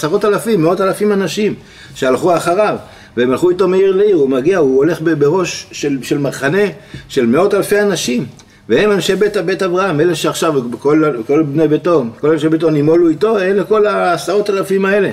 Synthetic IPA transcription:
saʁo̞t̪alafimːeo̞talafimanaʃim | ʃealχuaχaʁav | veemalχuito̞meiʁleiʁumaɡiauole̞χbebeʁo̞ʃʃelʃe̞lmaʁχane̞ʃe̞lme̞o̞talfeanaʃim | veemanʃe̞be̞t̪abet̪avʁahameleʃeaχʃavkolkolbnebeto̞nko̞lanʃebet̬o̞nimo̞luito̞enleko̞laːsaʁo̞t̪alafimae̞le̞

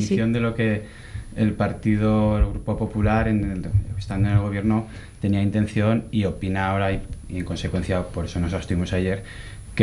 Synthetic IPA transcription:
θjo̞nd̪e̞lo̞ke̞ | elpaɾt̪iðo̞elɣ̞ɾupo̞po̞pulaɾenkest̪and̪one̞lɣ̞o̞β̞je̞ɾno̞ | t̪e̞niaint̪ẽ̞n̟θjo̞nio̞pinaːo̞ɾaiie̞ŋko̞nse̞kwe̞nθjapo̞ɾe̞so̞no̞sast̪uimo̞saje̞ɾ | ke

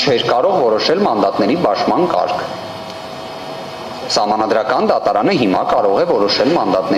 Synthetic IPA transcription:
t͡ʃʰɛɾkɑɾɔʁvɔɾɔʃɛlmɑnd̪ɑt̪nɛɾibɑʃmɑnkɑ̰ɾkʰ | sɑhmɑnɑd̪ɾɑkɑnd̪ɑt̪ɑɾɑnəɦimɑkɑɾɔʁɛvɔɾɔʃɛlmɑnd̪ɑt̪nɛ

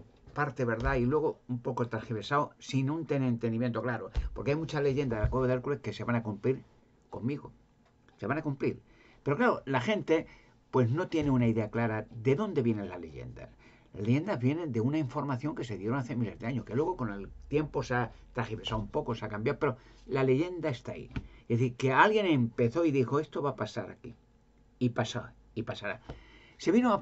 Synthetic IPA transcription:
paɾt̪e̞βe̞ɾðailwe̞ɣo̞umpo̞ko̞t̪ɾaxiβe̞saosinunt̪enẽːnt̪end̪imjent̪oklaɾopo̞ɾkeajmut͡ʃale̞ʝe̞nd̪aðekweβeðeɾkulehke̞se̞βanakumpliɾ | ko̞mmiɣo̰ | se̞βanakumpliɾ | pe̞ɾo̞klaɾolaxe̞nt̪e̞ | pwe̞zno̞t̪je̞neunaiðe̞aklaɾad̪e̞ðõ̞nd̪e̞βje̞ne̞nlazle̞̰ʝe̞̰nd̪a̰s | la̰zleʝe̞nd̪azβje̞nẽ̞nd̪e̞unaiɱfo̞ɾmaθjo̞ŋke̞se̞ðje̞ɾoŋaθemile̞zðeaɲo̞hke̞lwe̞ɣ̞o̞ko̞ne̞lt̪je̞mpo̞sat̪ɾaxipesaumpo̞ko̞sakambjawpe̞ɾo̞lale̞ʝe̞nd̪ae̞st̪aḭeθike̞alɣje̞ne̞mpe̞θo̞iðixoe̞st̪o̞βapasa̰ɾa̰ki | ipasa̰ | ipasaɾa | se̞βino

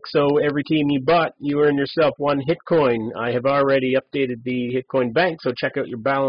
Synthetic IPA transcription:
ksoʊɛvɹitʰĩmjɨbʌt͡ʃɨə˞ɨ̃njə˞sɛlˠfwʌ̃nɦɪt̚kʰɔ̃ɪ̃na̰ɪɨvl̩ˠɹɛɾiʌp̚d̥eɪɾɨd̪̚ðɨhɪt̚kʰɔ̃ɪ̃nbæ̃ŋksoʊt͡ʃʰɛkaʊt͡ʃə˞bælˠə̃

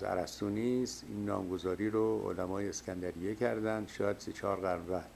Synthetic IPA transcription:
zæ̰ɾæ̰st̪uːnist̪iːnːɒ̰ːmɡozɒːɾiːɾoo̰læmɒːjeːskʲʰænd̪æɾijecʰæɾd̪ænd̪ʃɒːjæd̪set͡ʃʰɒːɾɣæɾmvæɾ

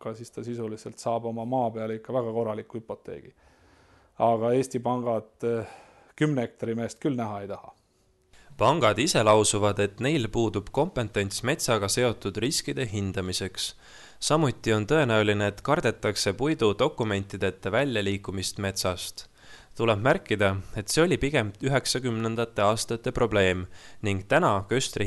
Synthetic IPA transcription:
kɑsist̪ɑsisuliselt̪sɑːbo̞mɑmɑːpe̞ɑlikːɑvæɡ̥ɑko̞rːɑlikuhypːˑo̞t̪ːe̞̰ːɡ̥ḭ | ɑɡ̥ɑe̞ːsʲt̪ipɑŋɡ̥ɑd̪̥ | kymneek̚t̪ɑɾime̞ːst̪̚kylnæɦɑe̞jt̪ɑhɑ | pɑŋɡ̥ɑd̪ise̞lɑwsuvɑd̪e̞t̪ne̞jlpuːd̪̥ub̥ko̞mpˑe̞nt̪ːˑe̞nʲt̪sme̞t̪sɑɡ̥ɑse̞o̞t̪ːˑud̪̥riskid̪̥e̞ɦind̪̥ɑmise̞ks | sɑmut̪ːˑio̞nt̪ɤ̞e̞næulineːt̪kɑrd̪̥e̞t̪ːˑɑkse̞pujd̪̥ud̪o̞kːˑume̞nʲt̪id̪̥e̞t̪ːevælʲjɑliːkːumist̪me̞t̪sɑst̪ | t̪ule̞b̥mærkːˑid̪ɑe̞t̪seo̞lʲipiɡe̞mt̪yɦe̞ksɑkymne̞nd̪̥ɑt̪ːˑe̞ɑːst̪ɑt̪ːˑe̞pro̞ble̞ːmniŋɡ̥t̪ænɑkøst̪ri

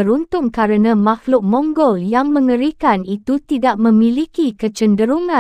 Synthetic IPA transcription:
əɾunt̪ʊŋkaɾənãmahlʊʔ̚mɔ̃ŋɡɔljaŋmə̃ŋəɾikanit̪ut̪idaʔ̚mə̃mĩlikikət͡ʃəndəɾuŋã

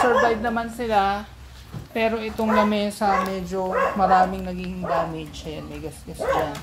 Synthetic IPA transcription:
sɛɹvajd̪̚nɐmansɪla | pɛːɾo̞ʔɪt̪o̞ŋlɐmɛsɐmɛːd͡ʒo̞mɐɾaːmɪŋnɐɡihɪŋd̪aːmɪd͡ʒʃɐjɐnmɐjɡɐsɡɐsan

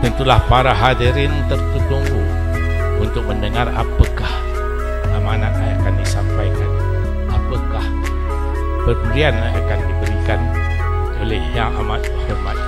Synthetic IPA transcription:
t̪ənt̪ulahpaɾaɦadiɾɪnt̪ərk̪ut̪uŋbu | unt̪ʊk̚məndəŋara̰pəkah | amanak̚aakandisampajkan | apəkah | bərɡianaakandibəɾikan | olehjaŋa̰mat̪homat̪̚

